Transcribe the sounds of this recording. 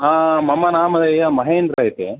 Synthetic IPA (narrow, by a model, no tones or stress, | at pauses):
aːmɐmːɐnaːmɐd̪ɐjamɐɦeːnɾaːjit̪e